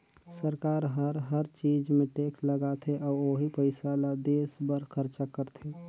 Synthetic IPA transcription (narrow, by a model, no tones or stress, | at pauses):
səɾkaːɾɦəɾɦəɾt͡ʃid͡ʒmẽʈeksləɡat̪ʰeʔɔːɾoːɦipəɪsalad̪eːsbəɾkʰəɾt͡ʃakəɾt̪ʰe